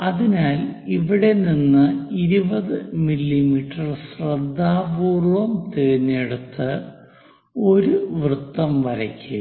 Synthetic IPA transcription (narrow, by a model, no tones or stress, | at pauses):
ɐðinaːliʋiɽe̞ninːɨiɾubɐðɨmilːimiʈːɐrsrɐd̪ʱːaːbuːrʋɐmt̪eːnːeɽut̪ːɨ | o̞ɾuʋrɨt̪ːɐmʋɐɾɐkʲːu